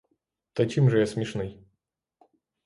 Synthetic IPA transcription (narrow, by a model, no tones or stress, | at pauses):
t̪ɐkʲimʐɨjasmʲɪʂnɨj